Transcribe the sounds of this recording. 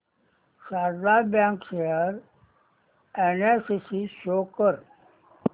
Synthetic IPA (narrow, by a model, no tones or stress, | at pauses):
saːɾd̪aːɾbjãːŋkʃeɦəɾ | enesisiʃoːkəɾ